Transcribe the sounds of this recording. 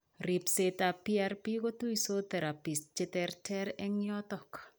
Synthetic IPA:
ripsetapiarpiɡotuisot̪ɛɾapis̚t͡ʃɛt̪ɛrtʰɛɾɛŋjɔt̪ɔk

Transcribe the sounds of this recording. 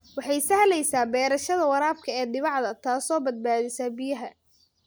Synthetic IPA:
wɑħɑjsɐhlɛjsaːbɛːɾɐʃɐðɐwɐɾaːfkʰɐɛːd̪ɪβɑʕd̪ɐt̪ʰaːsɔːbɐd̪̚baːðɪsaːbɪjɐɦɐ

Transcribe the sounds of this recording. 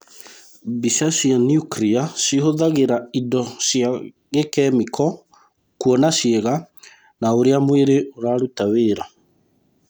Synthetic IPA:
biʃasianijukɾiasiɦoðaɣeɾaidɔsja | ɣekɛmikɔ | kuɔnaʃjeɣa | naoɾeamweɾeʔoɾaɾutaweːɾa

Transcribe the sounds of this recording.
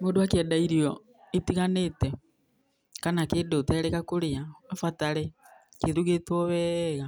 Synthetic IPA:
moːdowakjɛdaiɾiɔ | etiɣanetɛ | kanakedotɛɾɛkakoɾeaafataɾe | keɾuɣetwɔβɛɣa

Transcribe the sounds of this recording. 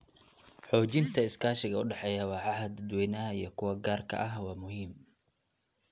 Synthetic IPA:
ħɔːt͡ʃɪnt̪ʰɐɪskʰaːʃɪɣɐʊɖɛħɛjɐwɑʕɑɦɐd̪ɐd̪wɛːjnɐɦɐijɞkʰʊwɐɡaːrkʰɐ̰ʔɐɦwɑːmʊɦiːm

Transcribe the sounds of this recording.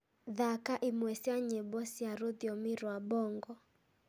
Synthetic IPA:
ðakaʔimwɛsiaɲɛbɔsiaɾoðiɔmɪɾwabɔŋɡɔ

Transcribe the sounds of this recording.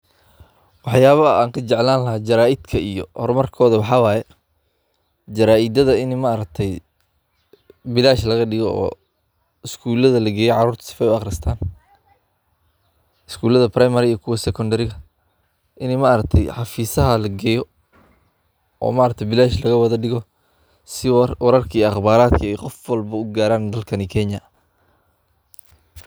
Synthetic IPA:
wɑħjaːβɐaːŋkʰɐt͡ʃɛʕlaːnlɐɦaːd͡ʒɐɾaːʔɪd̪kʰɐijɔ̰hɔrmɐrkʰɔːðɐwɑħɑwɑːjɛ | d͡ʒɐɾaːʔɪd̪ɐðɐɪnmaːɾɐk̚t̪ʰɛj | bɪlaːʃlɐɣɐɖɪɣɔɔ̰ː | ɪskʰuːlɐðɐlɐɡɛːjɛʕɑɾuːrt̪ʰɐ̥sɪ̥fɛjʊɑqrɪst̪ʰaːn | ɪskʰuːlɐðɐprajmɐɾɪijɔkʰʊwɐsɛkʰɔnd̪ɐɾɪɣɐ | ʔɪnɛmaʔɾɐk̚t̪ʰɛjħɑfiːsɐɦɐlɐɡɛːjɔ | ʔɔ̰ːmaːɾɐk̚t̪ʰɛbɪlaːʃlɐɣɐwɑðɐɖɪɣɔ | sɪwɑɾɐrkʰiijɑχbaːɾaːd̪kʰɐɛjqɔfwɑlbɐʊɡaːɾaːnd̪ɐlkʰɐnikʰɛɲɐ

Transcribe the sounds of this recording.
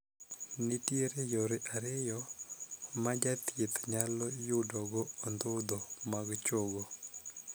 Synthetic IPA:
nɪtjeɾejoɾɪʔaɾɪjɔ | mad͡ʒat̪jet̪ɲalɔjʊdɔɡɔːnd̪ʊd̪ɔmaɡt͡ʃoɡo

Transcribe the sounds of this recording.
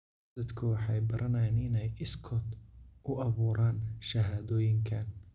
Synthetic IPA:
ɐd̪kʰʊwɑħɑjbɐɾʔɐnɐjanɪnɛjɪskʰɔt̪ʔʊʔɐβuːɾʔaːnʃɐɦaːðɔːjɪŋkʰɐn

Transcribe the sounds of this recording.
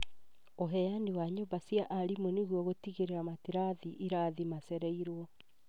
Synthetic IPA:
oɦɛjanewaɲombasjaʔaɾimoneɣwɔɣotiɣeɾeɾamatiɾaðiʔiɾaðimasɛɾɛiɾwɔ

